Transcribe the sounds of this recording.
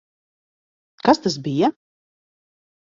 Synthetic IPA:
kast̪asbija

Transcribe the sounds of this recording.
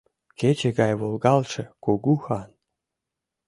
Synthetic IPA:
ket͡ɕeɡɑjβolˠɡɑlˠʃĕkoɡuxɑn

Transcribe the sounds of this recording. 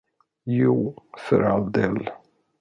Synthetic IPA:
juːfœɾald̪eːl

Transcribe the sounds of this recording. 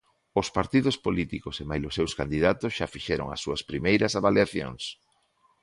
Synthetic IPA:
ʊspaɾt̪iðʊspolit̪ikosemajlʊsewskand̪iðat̪ʊsʃafiʃɛɾo̰ŋɐ̰sːuɐspɾimejɾɐsaβaljaθjo̰ŋs

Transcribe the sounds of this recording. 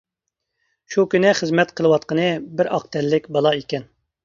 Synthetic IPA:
ʃukʲynɛχəzmɛt̪qʰəlˠɨwɑt̪̚qənɨbɪɾɑq̚t̪ʰɛlːɪkʲbɑlˠɑikʲɛn

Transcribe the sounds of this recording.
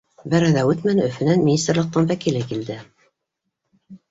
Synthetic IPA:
bæɾæðæʉt̪mænɵ̆fɘ̆nænmʲinʲist̪rlˠɤ̆q̚t̪ɑnfækilɘkild̪ɘ

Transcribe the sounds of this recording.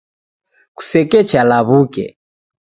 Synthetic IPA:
ku̥sɛkɛt͡ʃalaβukɛ̰

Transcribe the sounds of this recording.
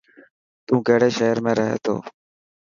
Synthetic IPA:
t̪ũːkeːɽeːʃeːəɾmẽːɾəɦḛːt̪ʰo̰ː

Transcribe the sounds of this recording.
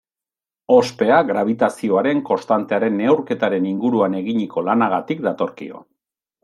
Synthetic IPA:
o̞spe̞aɣɾaβ̞it̪asio̞aɾe̞ŋko̞st̪ant̪e̞aɾe̞nːe̞wɾke̞t̪aɾe̞niŋɡuɾuane̞ɣiɲiko̞lanaɣat̪ikd̪at̪o̞ɾkḭo̞̰

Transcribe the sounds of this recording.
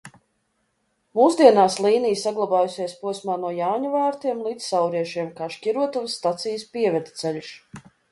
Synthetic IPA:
muːsd̪iɛnaːslˠiːnijsaɡlˠabaːjusʲeːjspuɔsmaːnuɔjaːɲuvaːɾt̪iɛmlˠiːt̪sːawɾiɛʃiɛmkaːʃcʲiɾuɔt̪uvsːt̪at̪sijspiɛvɛd̪t̪sɛʎʲʃ

